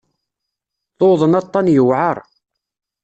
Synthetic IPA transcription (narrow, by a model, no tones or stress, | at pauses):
θoðˤənɑt̪ˤːɑnjəwʕəɾˤ